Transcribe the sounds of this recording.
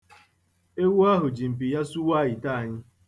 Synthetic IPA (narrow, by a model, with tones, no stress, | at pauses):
e˦wu˦a˦ɦʊ˨d͡ʒi˨m̩˨pi˨ja˦su˦wa˦˨ji˨ta˦a˨ɲɪ˦